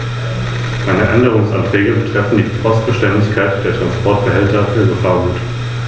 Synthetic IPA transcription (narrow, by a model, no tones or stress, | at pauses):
maɪnəʔɛndəʁ̞ʊŋsʔa̰ntʁ̥ɛːɡəbətʁ̥ɛfn̩diːpʰɔst̚b̥əʃtɛndɪçkʰaɪtd̥eːɐtʁ̥anspʰɔɐt̚b̥əɦɛltɐfyːɐɡəfaːɐɡuːt